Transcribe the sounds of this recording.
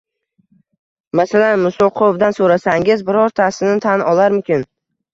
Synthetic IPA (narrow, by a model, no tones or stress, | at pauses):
masalanmʊsolˠqʰovd̪ansoɾasaŋɪzbɪɾɒɾt̪ʰasɪnɪt̪ʰanɒlˠaɾmʊkʲɪn